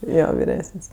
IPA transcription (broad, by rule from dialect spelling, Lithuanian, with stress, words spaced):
ˈjoː ʋʲɪˈrʲæːsənʲsʲ